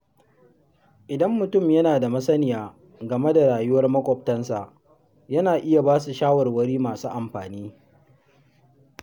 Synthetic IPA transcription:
ʔɪ˨dɐ˦mːʊ˨tʊ˦˨mjɐ˦naː˨da˨mɐ˦sɐ˦nɪ˨jaː˨ | ɡɐ˨me˦da˨ɽaː˨jʊ˦wɐ˦rmɐ˦kʷʼɔ˨p̚tɐ˦nsa˨ʔ | jɐ˦naː˨ʔɪ˦ja˨baː˦su˨ʃaː˦wɐ˨rwɐ˦ɽiː˦maː˨suː˦ʔa˨mɸaː˨niː˦

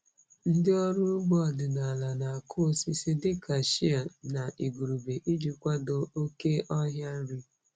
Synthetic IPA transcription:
n̩˦dɪ˦ɔ˦ɾʊ˦bɔ˦˨dɪ˨na˨la˨na˨a˨kʰʊ˦si˦sɪ˦dɪ˦ka˨ʃi˦a˨na˨ʔi˨ɡu˨ɾu˨be˨ʔi˦d͡ʒu˨kʷa˦do˨o˦ke˦ʔɔ˦ɦja˦n̩˦ɾi˦

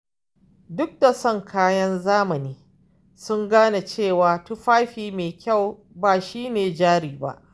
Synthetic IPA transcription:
dʊ˦k̚da˨sɔ˦˨ŋkʰaː˦jɐ˦nzaː˦mɐ˨niː˦ | sʊ˦ŋɡaː˦na˨t͡ʃeː˦˨waː˨tu˦ɸaː˦ɸiː˨meː˨kʲa˦˨w | baː˨ʃiː˦neː˨d͡ʒaː˦ɽiː˨ba̰˦ʔ

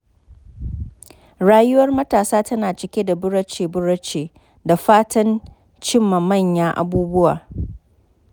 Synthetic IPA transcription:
ɽaː˦jʊ˦wɐ˦rmɐ˦taː˨saː˦tɐ˦naː˨t͡ʃɪ˨kʲe˦da˨bʊ˦ɽɐ˦t͡ʃeː˨bʊ˦ɽɐ˦t͡ʃeː˨ | da˨ɸaː˦tɐ˦n | t͡ʃɪ˦mːa˨mɐ˦˨ɲjaː˦ʔa̰˨buː˦bʊ˦wa̰ː˨

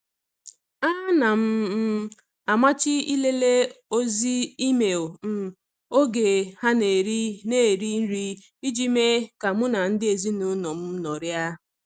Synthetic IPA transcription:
a˦na˨m̩˦ | a˨ma˦t͡ʃɪ˦i˦le˦le˦o˦zi˦i˦me˨lm̩˦ | o˦ɡe˨ha˦ne˨ɾi˦ne˦˨ɾi˦n̩˦ɾi˦ | i˦d͡ʒi˦me˦ka˨mʊ˦na˨n̩˦dɪ˦e˨zi˦nu˨˦nɔ˨m̩˦nɔ˨ɾja˦

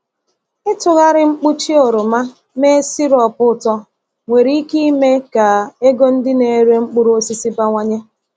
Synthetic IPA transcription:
ɪ˦tʊ˨ɣa˦ɾɪ˦ŋ͡m̩˦k͡pu˦t͡ʃi˦o˨ɾʊ˨ma˦ | me˦si˦ɾɔ˨pʊ˦˨tɔ˦ | ŋʷe˨ɾi˦i˦ki˦i˦me˦ka˨e˦ɡo˦n̩˦dɪ˦ne˨˦ɾe˦ŋ͡m̩˦k͡pu˦ɾo˦si˦si˦pa˦ŋʷa˦ɲe˦

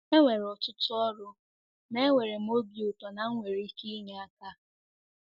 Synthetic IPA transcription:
e˦ŋʷe˨ɾɔ˨tʊ˦tʊ˦ɔ˦ɾʊ˦ | ne˦ŋʷe˨ɾe˨m̩˦o˦bjʊ˨tɔ˨na˨ŋ̩˦ŋʷe˨ɾi˨i˦ki˦ɲe˦a˦˨ka˦

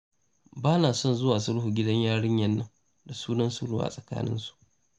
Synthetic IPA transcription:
baː˦naː˨sɔ˦˨nzʊ˦waː˨sʊ˦ɽhuː˨ɡʲɪ˦dɐ˦ɲjaː˦ɽɪ˦ɲjɐ˨nːɐ˦ŋ | da˨suː˦nɐ˦nsʊ˦ɽʊ̰˦a̰˨sʼɐ˨ka̰ː˦nɪ̰˦nsu̥˦˨ʔ

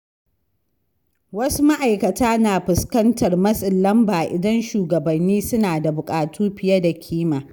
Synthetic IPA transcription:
wɐ˦su˦ma˦ʔa˨jkɐ˨tʰaː˦naː˨ɸɪ˨skɐ˦ntʰɐ˨rmɐ˦sʼɪ˨nlɐ˦mbaː˨ʔɪ̰˨dɐ˦nʃuː˨ɡɐ˨bɐ˨nːiː˦sʊ˦naː˨da˨bʊ˨kʼaː˨tʰuː˦ɸɪ˨jɐ˦da˨kʲʰiː˦maː˨

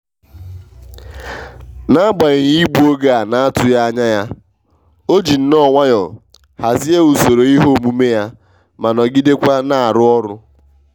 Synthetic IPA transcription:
na˦a˦ɡ͡ba˨ɣɪ˨ɲ˦i˦bu˦o˦ɡa˨a˨na˦a˦tʊ˨ja˦a˦ɲa˦ja˦ | o˦d͡ʒi˨n̩˦nɔ˦ŋʷa˦jɔ˨ | ha˨zi˦e˦u˨so˨ɾo˨i˦ɦo˦˨mu˦me˦ja˦ | ma˨nɔ˨ɡi˦de˦kʷa˦na˨a˨ɾʊ˦ɔ˦ɾʊ˦

